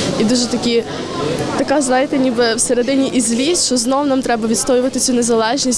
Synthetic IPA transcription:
id̪uʒɛt̪ɐkʲi | t̪ɐkazʋajɪt̪ɛnʲibɪwsɛɾed̪ɪnʲiʔizʲlʲisʲʃɔznɔwnamt̪ɾɛbɐʋʲit̪st̪ɔjɪʋɐt̪ɪt͡sʲunɛzɐlˠɛʒnʲisʲ

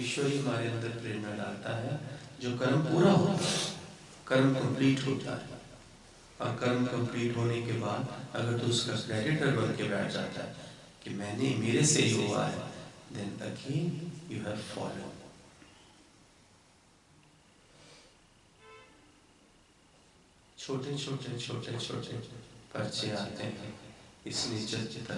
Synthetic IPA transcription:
ɪʃəɦiɦɐmaːɾeɐ̃nd̪əɾpɾeːnəɾɖaːlt̪aɦɛd͡ʒoːkɐɾmpuːɾaɦot̪a | kɐɾmkɐ̃mpliːʈɦod͡ʒa̰ː | ɔ̰ːɾkɐɾmkɐ̃mpliːʈɦoːnekebaːd̪ɐɡəɾt̪uʊskakɾɛːɖɪʈəɾbɐlkebɛːʈʰd͡ʒa̰ːt̪a̰ɦɛ | kimɛ̃ːnemeːɾeseɦiɦoa̰ɦɛ̰d̪ɛ̃nɐ̰kʰiljuːɦɛʋfɔ̰ːlo̰ːɖ | t͡ʃʰoːʈet͡ʃʰoːʈet͡ʃʰoːʈet͡ʃʰo̰ːʈepɐɾt͡ʃeaːt̪eɦɛ̃ɪsliet͡ʃɐt͡ʃt̪a

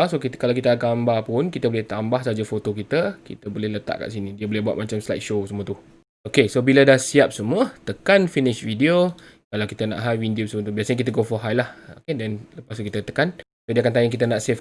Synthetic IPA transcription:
sokit̪kalawkit̪əakambapʊnkit̪əbolɛht̪ambahsəɦad͡ʒafot̪okit̪əkḭt̪əbolɛhlət̪a̰ʔka̰ʔsinidiəbolɛbuat̪̚mat͡ʃamsla̰t̪̚ʃosəmuət̪u | okesobiladahsiap̚səmũət̪əkanfinɪʃvidio | kalawkit̪əna̰ʔɦajwindiusəmuət̪ubiasəɲakit̪əɡofɔɦajlahokedɛnləpast̪ukit̪ət̪əkan | sodiakant̪ajaŋkit̪ənaʔsef

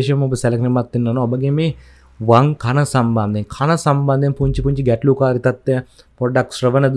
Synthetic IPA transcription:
ʃɐmubsɛlɐknimɐt̪ːinːɐnuɔbɐɡemi | ʋɐŋkʰɐnɐsɐmbɐnd̪inkʰɐnɐsɐmbɐnd̪ɐnpuɲt͡ʃipuɲt͡ʃiɡɛʈlukaːɾit̪ɐt̪ːe | pɔɖɐksɾɐʋɐnɐd̪

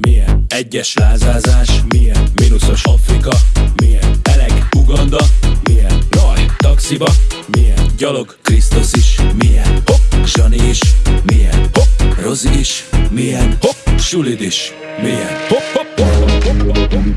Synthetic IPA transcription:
mijɛnɛɟːɛʃlaːzaːzaːʃmijɛnminuso̞ʃɒfrikɒmijɛnɛlɛ̰ɡuɡɒnd̪ɒmijɛnnɒjt̪ɒksibɒmijɛnɟɒlo̞ɡkrist̪usiʃmijɛnhʒɒniʃmijɛ̰nhoroziiʃmijɛnoʃulid̪iʃ | mijɛnho

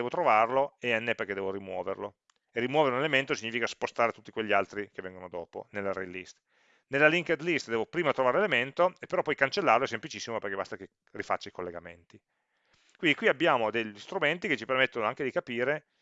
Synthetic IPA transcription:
ɛːvot̪ɾovarloeɛnːeperked̪ɛːvorimwɔːvḛrlo̰ | erːimwɔːveɾeunelement̪osiɲːifikaspost̪aːɾet̪ut̪ːikweʎːialt̪ɾik̟evːɛŋɡonod̪ɔ̰ːpo̰nelːaɾḛlːḭst̪ | nelːaliŋked̪list̪d̪ɛːvopɾiːmat̪ɾovaːɾelement̪oepːeɾɔpːɔjkant͡ʃelːaɾrloɛs̬ːemplit͡ʃisːimoperkebast̪ake | rifa̰t͡ʃːaikolːeɡamḛnt̪i | kwind̪ikwiabːjaːmod̪eʎist̪ɾument̪ik̟et͡ʃipermet̪ːonoaŋked̪ikapiːɾe

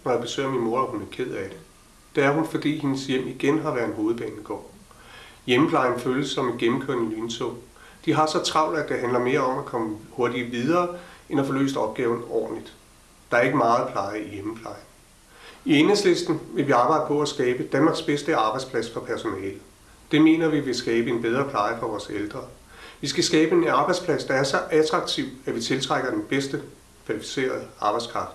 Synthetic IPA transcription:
nɒjɑ̈b̥e̝sø̰ːɐminmo̝ɐæhunæɐkʰe̝ð̞̰ˠæd̥e̝ | d̥eæɐɦunfɒ̽d̥ḭːhenəsjem̰iɡ̥enɦɑ̈ʋæːɐðˠnɦo̝ːð̩ˠb̥ɛ̰ːniɡ̥ɒ̰ː | jeməpʰlɑ̈ɪn̩føːljəsɒ̽menɡ̥emm̩kʰøɐ̰nəlynt͡sʰo̰ | d̥iɦɑ̈sɒ̽t͡sʰʁɑ̈ʊ̰næd̥eɦænlɐme̝ːɐɒ̽mækʰɒ̽məhoɐdiɐʋið̞ˠɐːʔenæfɒ̽lø̰ːsd̥əɒ̽b̥̚ɡ̥ɛːʊn̩ɒ̰ːd̥n̩lid̥ | d̥ɑ̈æɐe̝ɡ̥əmɑ̈ːð̩ˠpʰl̥ɑ̈ɪɐijeməpʰlɑ̈ɪn̩ | ienhesle̝sd̥n̩ʋe̝ʋiɑ̈ːbɑ̈ɪ̥ə̥pʰɒ̽æsɡ̥ɛːb̥əd̥ænmɑ̈ɡ̥sb̥esd̥əɑ̈b̥ɑɪdspʰlæsfɒ̽pʰæɐso̝nɛːlə | d̥e̝me̝̰ːnɐʋiʋe̝sɡ̥ɛːb̥əe̝nb̥eð̞ˠʁɐːpʰl̥ɑ̈ɪəfʁɑʋɒːseld̥ʁɐ | ʋisɡ̥æsɡ̥ɛːb̥əe̝nɑ̈ːb̥ɑɪdspʰlæsd̥ɑ̈æɐsɒ̽ʔæt͡sʰʁɑ̈ɡ̥̚t͡sʰiʊ̰æʋit͡sʰe̝lt͡sʰʁaɡ̥ɐd̥enb̥esd̥ə | kʰʋælifi̥se̝̰ːɐð̞ˠəɑ̈ːb̥ɑ̈ɪskʰʁɑ̈fd̥

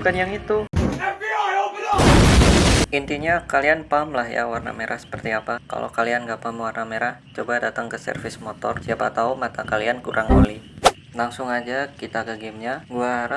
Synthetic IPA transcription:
kanjaŋit̪u | ʔint̪iɲakalianpamlahja̰warna̰meɾʔahsə̥pərt̪iapaka̰lʔo̰kalianɡapamwarnameɾaht͡ʃobadat̪aŋkəsə̰rfɪsmot̪ɔ̰rsiapat̪aomat̪akaliankuɾʔaŋo̰li | laŋsʊŋad͡ʒakit̪akəɡɪmɲaɡuaɾa

